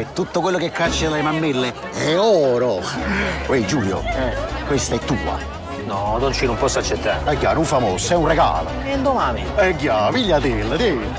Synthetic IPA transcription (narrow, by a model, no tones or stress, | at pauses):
ɛt̪ːut̪ːokwelːokekːat͡ʃːelalemamːelːe | ɛɔːɾo | wɛd͡ʒuːljo̰ɛkwest̪aɛt̪ːuːa̰ | nɔnont͡ʃinumpɔsːat͡ʃːet̪ːa̰ːɛɡːa̰nuɱfamoːsɛunreɡa̰ːlo | ɛnd̪omaːniɛɡjaviʎːad̪ilːd̪il